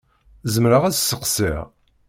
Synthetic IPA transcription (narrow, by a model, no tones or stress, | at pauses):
zəmɾəʁæt͡ssəqsḭʁ